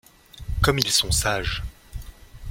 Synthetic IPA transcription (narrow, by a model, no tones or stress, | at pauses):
kɔmilsɔ̃saʒ